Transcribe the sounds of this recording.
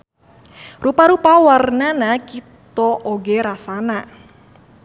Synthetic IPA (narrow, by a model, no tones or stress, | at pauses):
rupaɾupawarnanakit̪ɔʔoɡeɾasana